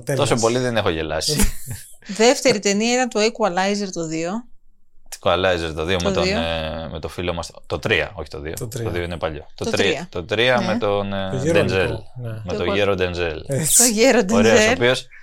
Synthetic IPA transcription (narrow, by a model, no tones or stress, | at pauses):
o̞sopoliðene̞xoʝe̞lɐsi | ðeft̪e̞ɾit̪e̞niɐit̪ɐnt̪oekuɐlɐjzeɾt̪o̞ðio | t̪i̥kuɐlɐjzeɾt̪oðio̞meðt̪onmet̪o̞filomɐst̪ot̪ot̪ɾiɐ̰o̞çi̥t̪o̞ðiot̪oðio̞inepɐʎo̞̰t̪ot̪ɾiiɐt̪ot̪ɾiɐme̞t̪ond̪enzelmet̪oʝeɾod̪enzeloʝeɾod̪oɾesopio̞s